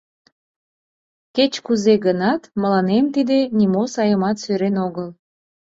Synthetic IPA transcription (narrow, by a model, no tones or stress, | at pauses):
ket͡ɕkuzeɡənɑt̪məlɑnemt̪id̪enimosɑjəmɑt̪søɾenoɣəl